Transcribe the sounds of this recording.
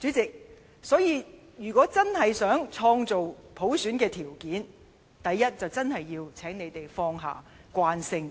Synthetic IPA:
t͡syː˨˥t͡sɪ˨k̚ | sɔː˨˥jiː˨˧ | jyː˨˩kʷɔː˨˥t͡sɐ˥nɦɐ˨jsœː˨˥ŋt͡ʃʰɔː˧ŋt͡so˨wpʰo˨˥wsyː˨˥nkɛː˧t̪ʰiː˨˩wkiː˨˥n | t̪ɐ˨jːɐ˥t̚t͡sɐ˨wt͡sɐ˥nɦɐ˨jːiː˧wt͡sʰɛː˨˥ŋne˨˧jt̪e˨jfɔː˧˥ŋɦa̰ː˨˩kʷaː˧˥nsɪ˧˥ŋ

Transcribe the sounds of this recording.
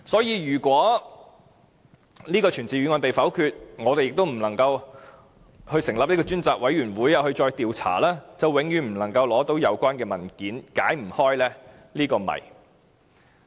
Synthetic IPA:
sɔː˨˥jiː˧ɥyː˨˩kʷwɔː˨˥ | niː˥kɔː˧t͡ʃʰyː˨˩nt͡siː˨ɥy˨˧ŋɔː˧npe˨jfɐ˨˥wkʰyː˧t̚ŋɔː˨˧t̪e˨jɪ˨k̚t̪o˥wm̩˨˩nlɐ˨˩ŋkɐ˧w | hɵ˧ɥsɪ˨˩ŋlɐ˨p̪̚iː˥kɔː˧t͡ʃyː˥nt͡saː˨k̚wɐ˨˥jyː˨˩nwuː˨˥jjɐ˨whɵ˧ɥt͡ʃɔː˧jt̪iː˨˧wt͡sʰa̰ː˨˩laː˥t͡sɐ˨wwɪ˨˥ŋjyː˨˧m̩˨˩nɐ˨˩ŋkɐ˧wlɔː˨˥t̪o˨˥wjɐ˨˧wkʷaː˥nkɛː˧mɐ˨˩nkiː˨˥nka̰ː˨˥jm̩˨˩hɔː˥jlɛː˥ | liː˥kɔː˧mɐ̰˨˩j

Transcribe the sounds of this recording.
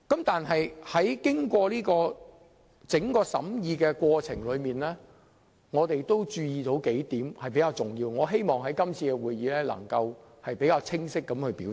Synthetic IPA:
kɐ˨˥mt̪aː˨nɦɐ˨jhɐ˨˥jkɪ˥ŋkʷɔː˧liː˥kɔː˧ | t͡sɪ˨˥ŋkɔː˧sɐ̰˨˥mjiː˨˧kɛː˧kʷɔː˧t͡sʰɪ˨˩ŋlɵ˨˧ɥmiː˨nlɛː˥ | ŋɔː˨˧t̪e˨jt̪o˥wt͡ʃyː˧jiː˨t̪o˨˥wke˨˥jt̪iː˨˥mhɐ˨˩jp̬e˨˥kaː˧wt͡sʊ˨˩ŋjiː˧wŋɔː˨˧ɦe˥jmɔː˨ŋɦɐ˨˥jkɐ˥mt͡sʰiː˧kɛ˧wuː˨jiː˨˧lɛː˥lɐ̰˨˩ŋkɐ˧w | hɐ˨jpe˨˥jkaː˧wt͡sʰɪ˥ŋsɪ˥kːɐ˨˥mhɵ˧ɥpiː˨˥

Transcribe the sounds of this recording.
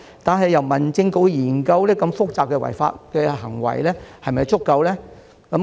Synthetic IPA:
t̪aː˨nɦɐ˨jːɐ˨˩wmɐ˨˩nt͡sɪ˧ŋko˨˥wjiː˨˩nkɐ˧wlɛː˥kɐ˧mfʊ˥k̚t͡saː˨p̚kɛː˧wɐ̰˨˩jfa̰ː˧t̚kɛː˧ɦɐ˨˩ŋwɐ̰˨˩jlɛː˥hɐ˨jmɐ˨jt͡sʊ˥kːɐ˨˧wlɛː˥ | kɐ˨˥m

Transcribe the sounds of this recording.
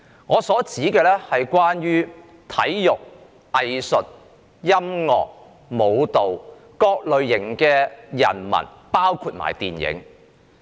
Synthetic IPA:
ŋɔː˨˧sɔː˨˥t͡siː˨˥kɛː˧lɛː˥hɐ˨jkʷwaː˥njyː˥ | t̪ʰɐ˨˥jːʊ˨k̚ | ɐ˨jsɵ˨t̚ | jɐ˥mŋɔ̰ː˨k̚ | mo˨˧wt̪o˨w | kɔː˧k̚lɵ˨˧ɥjɪ˨˩ŋkɛː˧jɐ̰˨˩nmɐ̰˨˩n | paː˥wkʰuː˧t̚ma̰ː˨˩jt̪iː˨njɪ̰˨˥ŋ

